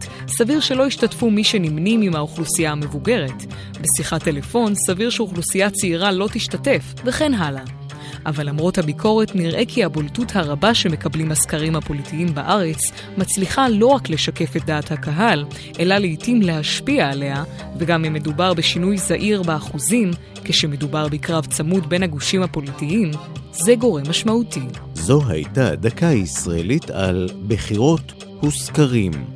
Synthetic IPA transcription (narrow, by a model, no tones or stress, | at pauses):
saviʁʃe̞lo̞iʃtatfumiʃe̞nimnimimhauχlusijahame̞vuɡe̞ʁe̞t | besiχatːe̞le̞fo̞nsaviʁʃeuχlusijat͡seiʁalo̞tiʃtate̞fveχe̞nɦala | ʔavalamʁo̞thabikʰo̞ʁe̞tniʁʔe̞kʰihaboltuthaʁabaʃe̞me̞kablimhaskaʁimhapo̞litiimbaʔaʁe̞t͡s | mat͡sliχalo̞ʁakle̞ʃake̞fet̚daːthakaɦal | ʔe̞laleitimle̞ɦaʃpiaːle̞ɦa | veɡamime̞dubaʁbeʃinujzaʔiʁbaaχuzim | keʃeme̞dubaʁbekʁavt͡samutbe̞naɡuʃimhapo̞litiim | ze̞ɡo̞ʁemaʃmauti | zo̞ɦa̰jta̰dakaisʁaḛlita̰lbeχiʁo̞t | huskaʁim